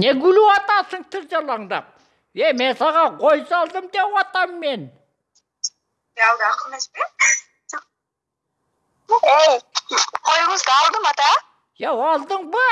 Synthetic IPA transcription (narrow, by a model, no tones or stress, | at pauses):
neɡʏluwɑt̪ɑsəɴt̪ʰɪɾʒɑlˠɑɴd̪ɑ̰p̚ | emensɑʁɑqʰojsɑlˠd̪əmd̪epwɑt̪ɑmːen | ald̪aqəmespe | ejqʰojməzd̪ɑlˠd̪əmɑt̪ɑ | jewɑlˠd̪əɴbə